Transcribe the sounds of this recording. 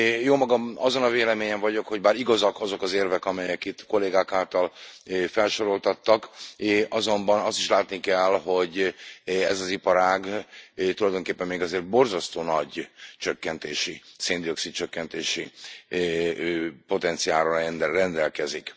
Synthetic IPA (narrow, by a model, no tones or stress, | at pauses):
joːmɒɡɒmɒzo̞nɒveːlɛmeːɲɛɱvɒɟo̞kho̞ɟbaːɾiɡɒzɒkɒzo̞kɒzeːrvɛkɒmɛjɛkit̪ːko̞lːeːɡaːkaːlt̪ɒlfɛlʃo̞ɾo̞lt̪ɒt̪ːɒkɒzo̞mbɒnɒst̪iʃlaːt̪nikɛlɦo̞ɟ | ɛzɒzipɒɾaːɡt̪ulɒjd̪o̞ŋkeːpːɛmːeːɡɒzeːrt̪̚bo̞rzɒst̪oːnɒɟt͡ʃøkːɛnt̪eːʃiseːnd̪io̞ksit̪t͡ʃøkːɛnt̪eːʃi | po̞t̪ɛnt̪sijaːɾoɛnd̪rɛnd̪ɛlkɛzik